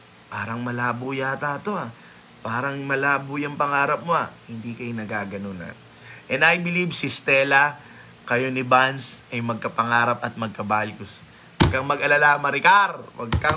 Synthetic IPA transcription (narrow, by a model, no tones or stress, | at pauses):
paːɾɐŋmɐlaːbujat̪aːt̪o̞ʔa | paːɾɐŋmɐlaːbujɐŋpɐŋaːɾɐp̚moahɪnd̪iːkɐjonɐɡaːɡɐnonɐ̰t̪ | ʔɛnɐjbɪlibsɪst̪ɛːlɐ | kɐjo̞nɪbansʔɐjmɐɡ̚kɐpɐŋaːɾɐpɐt̪̚mɐɡ̚kɐbaːjkʊs | wɐɡ̚kɐŋmɐɡɐlalamɐɾɪkaɾwɐɡkɐ